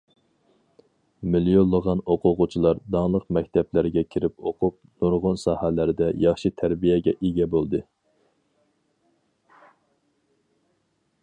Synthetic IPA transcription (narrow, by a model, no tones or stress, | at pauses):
mɪlijolˠːəʁɑnoqʰʊʁut͡ʃʰilˠɑɾd̪ɑŋlˠəqmɛk̚ʲt̪ʰɛplɪɾɡʲɛkʲʰiɾɪpoqʰup̚nuɾʁʊnsɑːhælæɾd̪ɛjɑχʃit̪ʰæɾbijɛɡʲɛʔiɡʲɛbolˠd̪ɨ